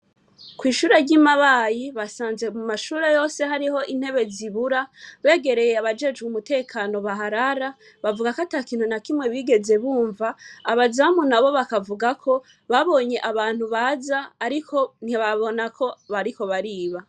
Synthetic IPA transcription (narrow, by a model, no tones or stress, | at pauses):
kwiːʃuːɾaɾɟiːmaβaːjiβasaːnze̞mumaʃuːɾejo̞ːse̞ɦaɾiho̞ʔin̥he̞βe̞ziβuɾaβe̞ːɡe̞ɾe̞jeaβad͡ʒe̞d͡ʒɡumute̞ːkʰano̞βaɦaɾaɾa | βavuɡakatakiːnhunakimŋwe̞βiːɡe̞ze̞βuːɱvaːβazamunaβo̞βakavuɡakʰo̞ | βaβo̞ːɲe̞ʔaβaːn̥huβazaːɾikʰo̞n̥iβaβo̞nakʰo̞βaɾiko̞βaɾiːβa